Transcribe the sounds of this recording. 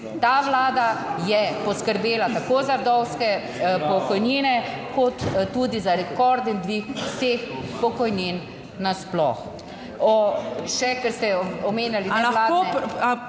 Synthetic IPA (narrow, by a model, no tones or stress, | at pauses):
t̪aʋlaːd̪ajɛpɔskəɾbeːlat̪akoːzaɾd̪ɔwskɛ | pɔkɔjniːnɛkɔt̪tːud̪izaɾɛkɔɾd̪ɛnd̪ʋixwseːxpɔkɔjnin | nasplɔ̰x | ɔʃɛkɛɾst̪ɛɔmeːnjalit̪elaːo